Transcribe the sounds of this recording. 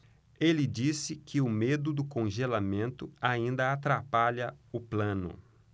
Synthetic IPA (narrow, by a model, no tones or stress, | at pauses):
elɪd͡ʒisɪkʰɪʊmed̪ʊd̪ʊkõʒelamẽnt̪ʊaĩnd̪ɐat̪ɾapaʎɐʊplɐ̃nʊ̰